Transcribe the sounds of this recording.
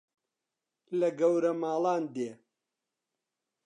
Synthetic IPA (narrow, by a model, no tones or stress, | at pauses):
lɐɡɐwɾɐmaːlˠaːnd̪eː